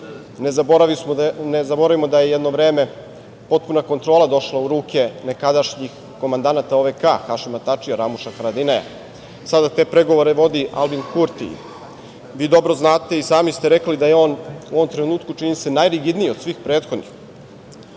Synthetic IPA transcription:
neabɾainezabo̞ɾaʋimo̞d̪ajejed̪no̞ʋɾe̞ːme̞ | po̞t̪̚punako̞nt̪ɾo̞ːlˠad̪o̞ʃlˠauɾuːke̞ne̞kad̪aʃɲix | ko̞mand̪anat̪aoʋekaxaʃimat̪at͡ʂijaɾamuʃaxaɾad̪inaja̰ | sad̪at̪e̞ːpɾe̞ɡo̞ʋoɾeʋo̞d̪iʔa̰lbinkuɾt̪ḭ | ʋiːd̪o̞bɾo̞znaːt̪e̞isaːmist̪eɾeklid̪aje̞o̞ːnuoʋo̞mt̪ɾenuːt̪kut͡ʃinise̞najɾiɡid̪nijeod̪sʋiːxpɾe̞ːt̪xo̞d̪nḭx

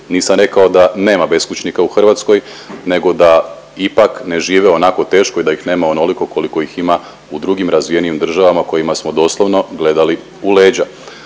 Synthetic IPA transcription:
niːsamɾe̞kaod̪ane̞ːmabe̞skut͡ʃnikauxr̩ʋat̪sko̞jne̞ɡo̞d̪a | ipakne̞ʒiːʋeo̞nako̞t̪e̞ːʃko̞id̪ajixne̞ːmaono̞liko̞ko̞liko̞ixima | ud̪ɾuɡimɾazʋije̞niimd̪r̩ʒaʋamako̞jimasmo̞d̪o̞slˠoʋno̞ɡle̞d̪ali | ule̞ːd͡ʑa

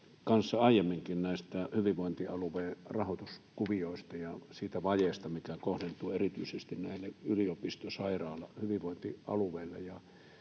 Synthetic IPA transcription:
kɑnsːɑɑˑijˑemːiŋkinnæˑest̪æhyʋiʋˑoˑint̪iɑluʋeːrɑhot̪uskuʋioˑest̪ɑjɑsiːt̪æʋɑjeˑst̪ɑmikækohdent̪ˑuːerit̪yˑisest̪innæˑilːeʔyliopist̪osɑˑirˑɑːlːɑhyʋiʋoˑnt̪iʔɑ̰luʋˑeˑilːḛjɑ

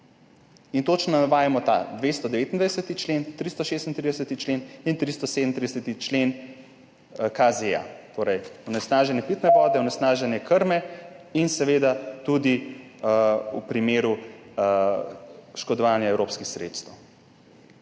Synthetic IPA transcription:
int̪ot͡ʃnɔaʋaːjamɔt̪a̰d̪ʋest̪ɔd̪ɛʋeːt̪ind̪ʋajdɛsət̪it͡ʃlent̪ɾist̪ɔʃest̪nt̪ɾid̪ɛsət̪it͡ʃlenint̪ɾist̪ɔsed̪ənɾid̪ɛsɛt̪it͡ʃlen | kazea̰t̪oːɾɛjunɛsnaːʒɛnjɛpit̪nɛʋɔːd̪ɛunɛsnaːʒɛnjɛkəɾmɛinsɛʋeːd̪at̪ud̪i | upɾimeːɾu | ʃkɔd̪ɔʋaːnjaɛwɾopskixsɾḛt̪st̪əw

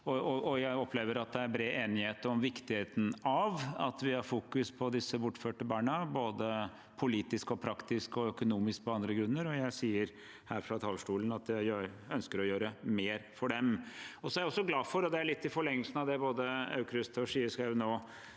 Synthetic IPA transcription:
ɔɔʔɔjæɪɔpʰːleːʋəɾɑt̪̚d̪ɛæɾbɾeːeːnɪheːt̪ɔmʋɪkt̪ɪheːt̪n̩ɑʋɑ̰t̪ʋɪhɑɾfuːkʉspʰɔd̪ɪsːəbʊʈːføːʈəbɑːɳəboːd̪ə | pʰʊliːt̪ɪskɔpʰɾɑkt̪ɪskɔœkʊnuːmɪsk̚pʰɔɑnd̪ɾəɡɾʉnːəɾɔjæɪsiːəɾ | hæːɾfɾɑt̪ʰɑlʂʈuːlənɑt̪d̪æɪjøːɾœnskəɾɔjøːɾəmeːɾfɔɖɛmɔsɔæɾɪɔsːɔɡlɑːfɔɾɔd̪ɛæɭɪt̪ːɪfɔɭɛŋːəlsnɑʋd̪ɛboːd̪əɑ̰ʉkɾʉst̪ʰɔʂiːəʂkɑnoː

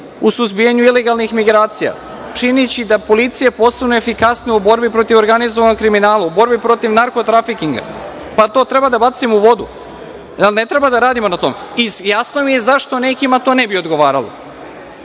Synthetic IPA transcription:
usuzbijaɲuile̞ɡalˠnixmiɡɾaːt̪sija̰ | t͡ʂinit͡ɕid̪apo̞lit̪sijepo̞ːsebnoefikasnijubo̞ɾbipɾo̞t̪iʋo̞ɾɡanizoʋanokkːɾiminaːlˠaubo̞ɾbipɾo̞t̪iʋnaɾko̞t̪ɾafikiŋɡa̰ | pat̪o̞ːt̪ɾebad̪abat̪simuʋo̞d̪ṵ | jalne̞t̪ɾe̞bad̪aɾaːd̪imo̞nat̪o̞ːmeijasno̞mije̞zaʃt̪o̞nekimat̪o̞ːnebio̞d̪ɡo̞ʋaːɾa̰lo̰

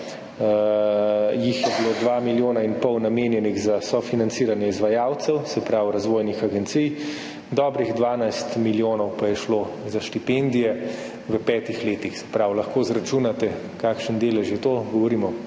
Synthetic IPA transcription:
jixjɛbilod̪ʋamiljoːnainpɔwnameːnjɛniɣzasɔfinant̪siɾanjɛizʋajaːwt̪sɛwsɛpɾawɾazʋoːjnixaɡɛnt̪sij | d̪ɔːbɾiɣd̪ʋaːnajst̪miljoːnɔwpajɛʃlo | zaʃt̪ipend̪ijɛ | ʋəpɛːt̪ixleːt̪ixsɛ̥pɾawlɐxkozɾat͡ʃunat̪ɛ | kaːkʃənd̪eːlɛʒjɛt̪oːɡɔʋɔɾiːmɔ

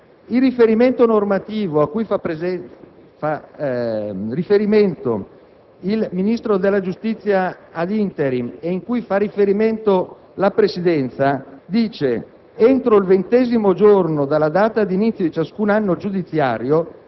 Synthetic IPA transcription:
ilrːifeɾiment̪onormat̪iːvoakːuja | a | rifeɾiment̪o̰ | ilminist̪ɾod̪elːad͡ʒust̪it̪sːjaːd̪int̪eɾimeiŋkujfarːifeɾiment̪o | lapɾesid̪ɛnt̪sad̪iːt͡ʃe | ent̪ɾoilvent̪ɛːzimod͡ʒornod̪alːad̪aːt̪ad̪init̪ːjod̪it͡ʃaskunanːod͡ʒud̪it̪sːja̰ːɾjo

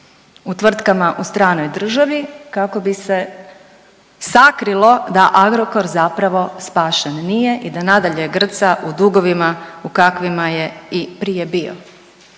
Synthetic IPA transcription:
ut̪ʋr̩t̪kamaʔust̪ɾaːno̞jd̪r̩ʒaʋikako̞bise | sakɾilˠo̞d̪aʔaɡɾo̞ko̞ɾzapɾaʋo̞spaːʃennije̞ʔid̪anad̪aʎeɡr̩t̪saʔud̪uɡo̞ʋimaukakʋimaje̞ipɾije̞bio̰

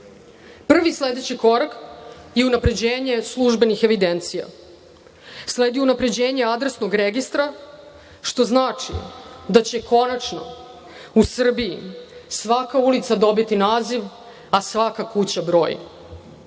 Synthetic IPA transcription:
pr̩ʋisle̞d̪et͡ɕiko̞ɾakjeunapɾe̞d͡ʑeːɲe̞slˠuʒbe̞nixe̞ʋid̪ent̪sija̰ | sleːd̪iunapɾe̞d͡ʑe̞ːɲe̞ad̪ɾesno̞ɡɾeɡist̪ɾa | ʃt̪o̞znaːt͡ʂḭd̪at͡ɕe̞kʰo̞nat͡ʂno̞̰ | usr̩biḭsʋakaulit̪sad̪o̞bit̪inaːziʋ | asʋakakut͡ɕabɾo̞ːjḭ

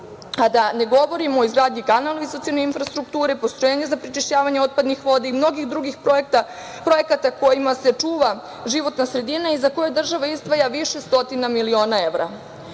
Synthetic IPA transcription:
ad̪ane̞ɡo̞ʋo̞ɾimoːizɡɾaːd̪ɲikanaloisot̪ianeinfɾast̪ɾuk̚t̪uːɾepo̞st̪ɾojeːɲe̞zapɾit͡ʃiʃt͡ɕaːʋaɲeo̞t̪̚pad̪nixʋo̞d̪eimno̞ɡixd̪ɾuɡixpoekt̪a | pɾo̞je̞kat̪ako̞jimase̞t͡ʂuːʋa | ʒiʋo̞t̪nasɾe̞d̪inaizako̞jed̪r̩ʒaʋaizd̪ʋajaʋiʃe̞st̪o̞t̪inamilio̞ːnae̞ʋɾa̰

